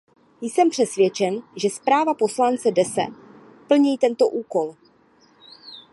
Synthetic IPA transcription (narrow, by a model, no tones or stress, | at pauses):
jsɛmpr̝̥ɛsvjɛt͡ʃɛnʒɛspɾaːvapo̞slant͡sɛdɛsɛ̰ | pl̩ɲiːt̪ɛnt̪o̞ʔuːko̞l